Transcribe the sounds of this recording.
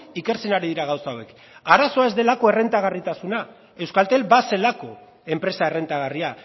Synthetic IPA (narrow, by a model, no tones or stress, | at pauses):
ike̞ɾt͡se̞naɾiðiɾaɣawsaowe̞k | aɾaso̞ae̞zd̪e̞lako̞e̞re̞nt̪aɣ̞arit̪asuna | e̞wskalt̪e̞lbase̞lako̞ | e̞mpɾe̞sae̞re̞nt̪aɣ̞aria